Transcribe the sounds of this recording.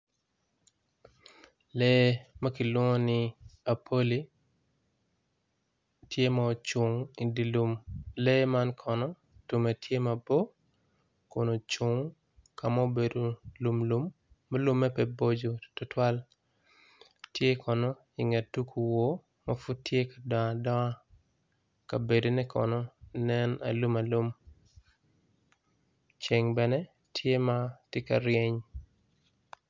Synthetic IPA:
lɛ˦ma˦ki˨lwɔ˦ŋo˦nɪa˨pʰo˦li˦ | tje˦mao˨t͡ʃo˨ŋi˨di˨lumlɛ˦ma˦nkʰɔ˨nɔ˦ | tu˨me˨tʰje˦mɐbɔ˦ | ko˨no˨t͡ʃo˨ŋ | ka˨ma˦o˦be˨do˨lu˨mlu˦mː | a˦lʊ˦mːɛ˦pɛ˨bo˦d͡ʒo˨tɔ˨twa˦l | tje˦kʰɔ˨nɔ˦ | ɪ˨ŋɛ˨tːu˦kʰu˨wo˦ | ma˦fu˦d̚tje˦kḁ˨dɔ˨ŋa˨dɔ˦a˦ | ka˨be˨do˨nɛ˦kʰɔ̰˨nɔnɛ˦na̰˨lu˦ma˨lu˦m | t͡ʃe˨ŋbɛnɛ˦ | tʰje˦matɪ˦ka˨ɾɪe˦ɲ

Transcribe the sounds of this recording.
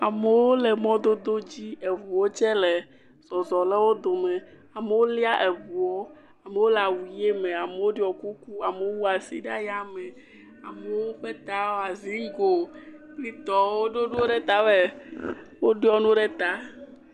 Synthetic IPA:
a˨me˨wo˦le˨mɔ̃˦d̪o˦d̪o˦d͡ʑi˦e˨vu˨wo˦t͡ʃɛ˦le˨ | z̥ɔ˨zɔ˨lɛ˦wo˦d̪o˨mẽ˨ | a˨me˨wo˦li˦a˦ʔe˨vu˨wo˦ | a˨me˨wo˦la˨wu˨je˦mẽ˨a˨me˨wo˦ɖɔ˨ku˦ku˦a˨me˨wo˦wu˦a˨sḭ˦ɖa˦ja˦me˨ | a˨me˨wo˦ɸe˦t̪a˦wa˨zi˦ŋ˦ɡo˨kli˦t̪ɔ˨wo˦ɖo˦nu˦o˦ɖe˦t̪a˦be˦˨ | wo˦ɖɔ˦nũ˦ɖe˦t̪a˦

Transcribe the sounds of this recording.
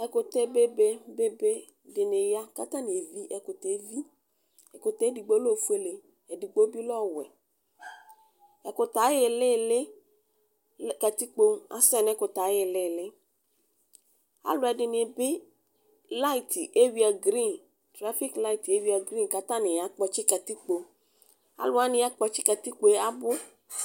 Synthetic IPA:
ɛ˨kʊ˨t̪ɛ˦be˦be˦be˦be˦ | dɪ˨nɪ˨ja˦ka˦ta˦nɪ˨e˨vi˦ʔɛ˨kʊ˨te˨˦vi˦ | ɛ˨kʊ˨tɛ˦di˨ɡ͡bo˦lo˦˨fu˦e˦le˨ | ɛ˨dɪ˨ɡ͡bo˦bi˦lɔ˦˨wɛ̰˨ | ɛ˨kʊ˨ta˨˦jɪ˨lɪ˦˨lɪ˦ | ka˨t̪i˦k͡po˧a̰˨sɛ˦nɛ˨˦kʊ˨ta˨˦ɪ˨lɪ˦˨lɪ˦ | a̰˦lʊ˦ɛ˨dɪ˨nɪ̃˨bɪ˦ | la˦i˨tʰi˨ʔe˦wi˦a˨ɡɾi˦˨n | tɾa˦fi˦kla˦i˨ti˨e˦wi˦a˨ɡɾi˦nka˨t̪ã˦nɪ̃˨ja˨˦k͡pɔ˨t͡ʃɪ˦ka˨t̪i˦k͡po˨ | a̰˨lʊ˦a˦nɪ̃˦a˦k͡pɔ˧t͡ʃɪ˦ka˨t̪i˦k͡po˨e˦a˦bʊ˦

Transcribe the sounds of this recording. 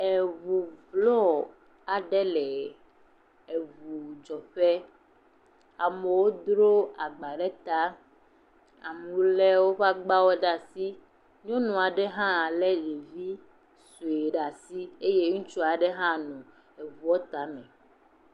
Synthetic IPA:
e˨vu˨vlɔ˦ | a˨ɖɛ˦lɛ˨ | e˨vu˨d͡ʒɔ˨ɸɛ˦ | a˨me˨wo˦d̪ɾo˦a˨ɡ͡ba˨ɖɛ˦t̪a˦ | a̰˨mu˨˦lɛ˦wo˦ɸa˦ɡ͡ba˦wɔ˦ɖa˨si˦ | ɲɔ̃˦nũ˨a˨ɖɛ˦ɦã˦˨lɛ˦ɖe˨vi˦ | su˨e˨ɖa˨si˦e˦je˦ŋũ˦t͡ʃu˦a˨ɖɛ˦ɦã˦nũ˨ | e˨vu˨ɔ˦t̪a˦mɛ̃˨

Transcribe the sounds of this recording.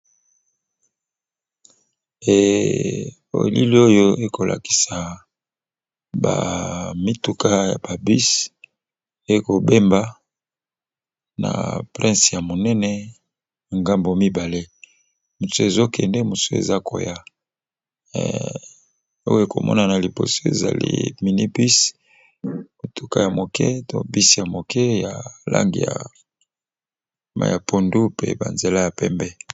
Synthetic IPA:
e˨ | o̰˨lḭ˦li˦o˦jo˦e˨ko˨lʔa̰˨ki̥˨sa˨ | ba̰˨mi˦tu˨ka˦ja̰˨b̥a˨bi˦s | e˦ko˨be˦mba˦ | na̰˨pʁɛ̃˦sja˨mo˨nɛ˦nɛ˦˨ | ŋɡa˦mbo˨mi˦ba˨le˦ | mu˨su˦e˨zo˦kɛ˨ndɛ˦mu˨so˦ḛ˨za˦kʰo˨ja˦˨ | o̰˦je˨ko̰˨mʔɔ̰˦na˨na˨li˨bo̰˨so˦ḛ˨za̰˨lḭ˦mi˨ni˦bi˦s | mo˨tʰo˨ka˦ja˨mo˨kʰɛ˦to˦˨bi˦sja˨mo˨kʰɛ˦ja˨la̰˦ŋɡḭ˨ja̰˨ | ma̰˦ja˨po˨ndu˦pḛ˦ba̰˨nze˨la˦ja˨pɛ˦mbɛ˦

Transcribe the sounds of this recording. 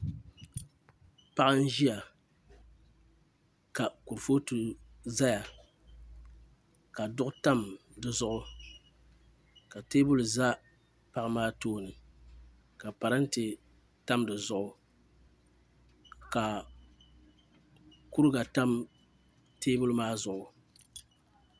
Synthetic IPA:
pa˦ʔa˦n̩˦ʒi˦a˨ | ka˨ku˨ɾfo˦tu˨ | za˦ja˨ | ka˨dʊ˦ʔʊ˦ta˦mdɨ˨zʊ˦ʔʊ˦ | ka˨teː˦bʊ˦lza˦ | pa˨ʔɨ˨maː˦toː˦nɨ˨ | ka˨pa˨ɾa˦n˦tɪ˨ | ta˦mdɨ˨zʊ˦ʔʊ˨ | ka˨ | ku˦ɾɡa˨ta˦m | teː˦bʊ˦lʊ˦maː˦zʊ˨ʔʊ˨

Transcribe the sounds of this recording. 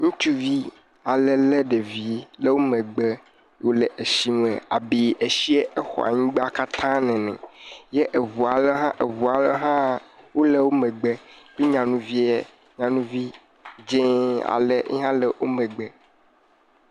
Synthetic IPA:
ŋũ˦t͡ʃu˦vi˦ | a˨lɛ˦le˦ɖe˨vi˨le˦wo˦mẽ˨ɡ͡be˦ | wo˦le˨ʔe˨ʃi˦m˦ḛ̃˨a˨bi˨e˨ʃi˦e˦ʔe˦xɔ̰˨a̰˨ɲĩ˦ɡ͡be˦a˨ka˦t̪ʰã˦nɛ̃˨nɛ̰̃˨je˦ʔe˨vu˨a˨le˦ɦã˦ʔe˨vu˨a˨le˦ɦã˦wo˦le˦wo˦mẽ˨ɡ͡be˦bi˦ɲã˨nũ˨vi˦e˨ | ɲã˨nũ˦vi˦ | d͡ʒẽ˦a̰˨le˦ʔɦã˦le˦wʔo˦mɛ̃˨ɡ͡bɛ˦

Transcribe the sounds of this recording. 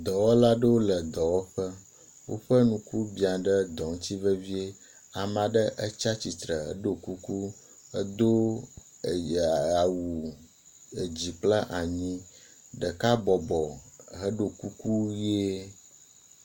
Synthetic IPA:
d̪ɔ˨wɔ˦la˦ɖə˦wo˦lə˨d̪ɔ˨wɔ˦ɸə˦ | wo̰˦ɸə˦nũ˨ku˦bi˨a˨ɖə˦d̪ɔ˨ŋ̩˦t̪i˦və˦vi˦e˦ | a˨m˨ã˨ɖə˦ʔə˦t͡ʃa˦t͡ɕi˨t̪ɾə˨ɦə̰˦ɖo˨ku˦ku˦ | ə˦d̪o˦˨ | a˨a˨wu˨ | ə˨d͡ʑi˨k͡pla˦ʔa˨ɲĩ˦ | ɖə˨ka˦bɔ˨bɔ˨ɦə˦ɖo˨ku˦ku˦je˦

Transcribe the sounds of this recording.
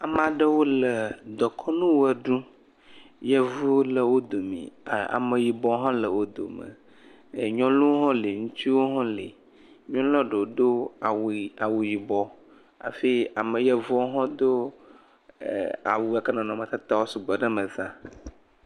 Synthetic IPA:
a˨m˦a˨ɖə˦wo˦lə˨d̪ɔ˨kʰɔ˦nũ˦wo˦ɛ˨ɖũ˦ | jɛ˦vu˦lə˨wo˦d̪o˨mḭ̃˨a̰˨mə˨ji˨bɔ˦ɦã˦lə˨wo˦d̪o̰˨mə̰˨ | ɲɔ̃˦lu˦wo˦ɦɔ̃˦le˨ŋũ˦t̪i˦wo˦ɦɔ̃˦lḭ˨ | ɲɔ̃˦ɔ˦ɖə˨wo˨d̪o˦a˨wa˨wu˨ji˨bɔ˦ | a̰˨fi˦a˨mə˨jɛ˦vu˦o˦ɦɔ̃˦d̪o˦˨ | a̰˨wu˨a˨kə˦nã˨nɔ̃˨mə̃˨t̪ɛ˦t̪a˦wo˦su˨bɛ˨ɖə˦mə̃˨zã˦

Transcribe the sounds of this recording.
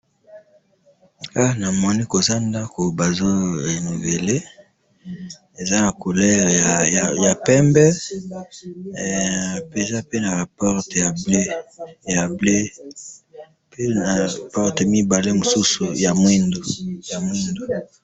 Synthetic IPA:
a˦˨na˨mɔ˦ni˦ko˨za˦nda˦ko˨ba˨zo˦e˨ni˨ve˨le˦ | e˨za˦na˨ko˨lɛ˦ʁja˨ja˨ja˨pɛ˦mbɛ˦˨ | pe˨za˦pe˦na˨pɔ˦ʁtja˨ble˦ja˨ble˦ | pe˦na˨pɔ˦ʁte˨mi˦ba˨le˦mo˨su˦su˨ja˨mwe˦ndo˨ja˨mwi˦ndo˨

